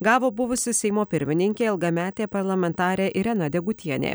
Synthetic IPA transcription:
ɡɑːʋoːbʊʋʊsʲɪsʲɛɪmoːpʲɪɾʲmʲɪnʲɪŋʲkʲeːɪlˠɡɐmʲæːt̪ʲeːpɐɾlˠɐmʲɛnt̪ɑːɾʲeːʔɪɾʲɛnɐd̪ʲɛɡʊt̪ʲiɛnʲḛː

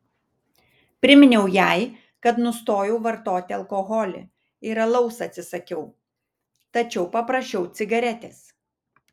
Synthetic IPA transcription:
pʲɾʲɪmʲɪnʲɛʊjæˑɪ | kɐt̪nʊst̪oːjɛʊʋɐɾt̪oːt̪ʲɪɐlˠkɔɣɔlʲɪ̰ | ɪːɾɐlˠɐʊsɐt̪ʲsʲɪsɐkʲɛʊ | t̪ɐt͡ʃʲɛʊpɐpɾɐʃʲt͡ʃʲɛʊt̪sʲɪɡɐɾʲɛt̪ʲeːs

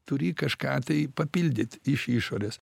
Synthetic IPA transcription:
t̪ʊɾʲiːkɐʃkɑːt̪ɐɪpɐpʲilʲd̪ʲɪt̪ʲɪʃiʃoːɾʲeːs

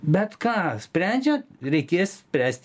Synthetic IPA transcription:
bʲɛt̪kɑːsʲpʲɾʲænʲd͡ʒʲoɾʲɛɪkʲeːssʲpʲɾʲæːsʲt̪ʲ

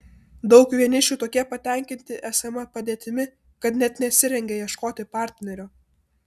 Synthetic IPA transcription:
d̪ɒʊkʋʲiɛnʲɪʃʲuːt̪oːkʲiɛpɐt̪ʲɛˑŋʲkʲɪnʲt̪ʲɪʔæːsɐmɐpɐd̪ʲeːt̪ʲɪmʲɪ | kɐt̪nʲɛt̪nʲɛt̪ʲsʲɪɾʲɛŋʲɡʲɛjiɛʃkoːt̪ʲɪpɑˑɾʲt̪ʲnʲɛɾʲoː

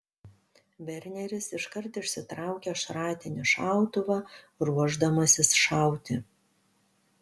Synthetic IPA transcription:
ʋʲɛɾʲnʲɛɾʲɪsɪʃkɐɾt̪ɪʃʲsʲɪt̪ɾɑˑʊkʲɛʃɾɑːt̪ʲɪnʲɪʃɑˑʊt̪ʊʋɑː | ɾuɔʒd̪ɐmɐsʲɪsʃɑˑʊt̪ʲɪ

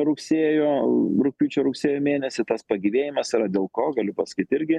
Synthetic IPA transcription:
ɾʊksʲeːjoːɾʊk̚ʲpʲuːt͡ʃʲoːɾʊksʲeːjoːmʲeːnʲɛsʲɪt̪ɐspɐɡʲiʋʲeːjɪmɐsiːɾɐd̪ʲeːlˠkoːɡɐlʲʊpɐsɐ̥kʲiːt̪ɪɾʲɡʲɪ

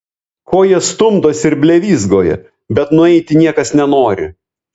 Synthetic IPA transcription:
koːjɛst̪ʊmd̪oːsɪɾbʲlʲɛʋʲiːzɡoːjɛ̰ | bʲɛt̪nʊɛɪt̪ʲɪnʲiɛkɐsnʲɛnoːɾʲɪ̰

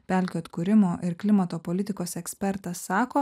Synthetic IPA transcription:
pʲæˑlʲkʲoːt̪kuːɾʲɪmoːʔɪɾklʲɪmɐt̪oːpoːlʲɪt̪ʲɪkoːsɛksʲpʲɛɾt̪ɐsːɑːkoː

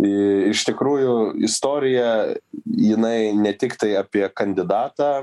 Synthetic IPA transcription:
ɪɪʃt̪ʲɪkɾuːjʊɪ̰st̪oːɾʲɪjɛ | jɪnɐɪnʲɛt̪ʲɪkt̪ɐɪɑpʲiɛkɐnʲd̪ʲɪd̪ɑːt̪ɑː

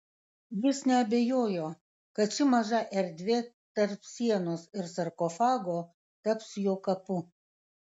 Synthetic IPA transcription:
jɪsnʲɛɐbʲeːjoːjoː | kɐt̪̚t͡ʃʲɪmɐʒɐʔɛɾʲd̪ʲʋʲeː | t̪ɐɾpsʲiɛnoːsɪɾsɐɾkɔfɑːɡoː | t̪ɐpsjoːkɐpʊ

